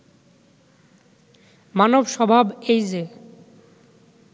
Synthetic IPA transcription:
manobʃɔbʱabejd͡ʑe

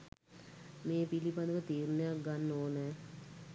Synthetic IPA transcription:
mẽːpilipand̪əkət̪iːɾnejakɡanːoːnɛː

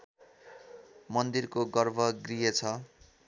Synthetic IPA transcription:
mʌnd̪irkoɡʌrbʱʌɡrijet͡sʰʌ

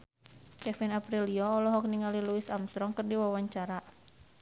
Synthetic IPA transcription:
kɛfinapɾiliɔːlɔɦɔk̚niŋaliluɪsamst̪ɾɔŋkərdiwawaɲt͡ʃaɾa

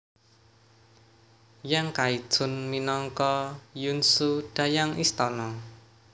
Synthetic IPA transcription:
jaŋkaid̥ʒ̥ʊ̤nminɔŋkɔjunsud̪̥a̤jaŋʔist̪ɔnɔ

